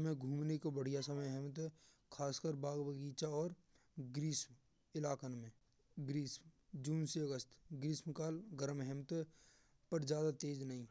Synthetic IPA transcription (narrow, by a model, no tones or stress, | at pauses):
mẽɡʱuːmnekobəɽ̤ijasəməjɦɛmt̪ | kʰaːskəɾbaːɡbəɡiːt͡ʃaɔːɾ | ɡɾiːsm | ɪlaːkənmẽ | ɡɾiːsmd͡ʒuːnseəɡəst̪ɡɾiːsmkaːlɡəɾmɦɛmt̪ | pəɾd͡ʒjaːd̪at̪eːd͡ʒnəɦĩː